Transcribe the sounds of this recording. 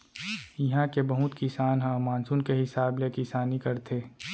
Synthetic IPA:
jɐɦãkebɐɦʊt̪kisaːnɦãmaːnsunkeɦɪsaːblekɪsaːnikɐɾt̪ʰeː

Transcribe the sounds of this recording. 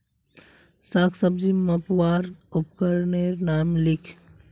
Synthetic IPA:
saksəb̚d͡ʒiməpwaːɾʊpkəɾneɾnaːmlɪkʰ

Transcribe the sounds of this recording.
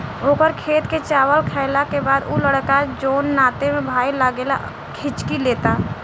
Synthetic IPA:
oːkəɾkʰeːt̪ket͡ʃaːwəlkʰɛːlakebaːd̪uləɽkad͡ʒoːnːaːt̪emẽbʱaːilaɡela̰ | kʰɪt͡ʃkileːt̪aː

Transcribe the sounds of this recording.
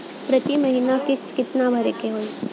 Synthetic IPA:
pɾət̪iməɦinakɪst̪kɪt̪nabʱəɾekeɦoːi

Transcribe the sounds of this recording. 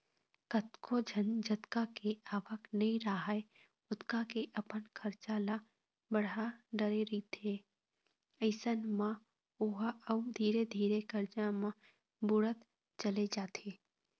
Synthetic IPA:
kət̪kʰod͡ʒʱənd͡ʒət̪kakeaːʋəknɐĩɾaɦae | ʊt̪kakeʔəpənkʰəɾt͡ʃala | bəɽaɖəɾeɾit̪ʰe | əɪsənmã | ʊɦəʊmd̪ʱiːɾed̪ʱiːɾekəɾd͡ʒãmã | bʊɽət̪ | t͡ʃəled͡ʒaːt̪ʰeː

